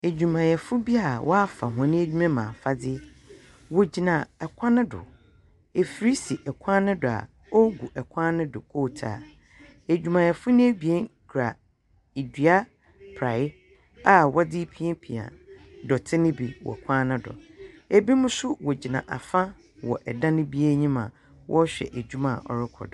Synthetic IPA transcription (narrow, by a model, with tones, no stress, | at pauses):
e˨d͡ʑᶣu˨mã˨jɛ˨fʊ˦bi˦a˨wʔɔ˦a˦fa˨ɦã˨nɪ̃˦e˦d͡ʑᶣu˦mɛ̃˦mãː˨fa˦dɪ˦ | wɔ˨d͡ʑi˨nã˨ɛ˨kʷʰã˦nʊ̃˦dʊ̰˨ | e˨fɾi˦si˨ʔɛ˨kʷʰã˦nʊ̃˦dʊ˨a̰˨ | ɔ˦ɡu˨ʔɛ˨kʷʰã˦nʊ̃˦dʊ̰˨kʰoː˦˨tʰa̰˨ | e˨d͡ʑᶣũ˨mã˨jɛ˨fʊ˦nɪ̃˦bi˨e˦nkʰɾa̰˨ | i˨di˨a˦ | pʰɾa˨ɪ˦ | a˨wɔ˦dɪ˦pʰi˦ẽ˦pʰi˨ã̰˨dɔ˨tʰɪ˦nɪ̃˦bi˨wɔ̰˨kʷʰã˦nɪ̃˦dɔ̰˨e˨bi˦mʊ̃˦sʊ˦wɔ˨d͡ʑi˨nã˨ʔa̰˨fã˦ | wɔ̰˨ʔɛ˨dã˦nɪ̃˦bi˦e˦ɲĩ˦mã̰˨ | wʔɔ˦ɕᶣɛ̰˨ʔæ˨d͡ʑᶣu˦mã̰˨ʔɔ̰˨ɾɪ˦kʰɔ̰˨dʊ˨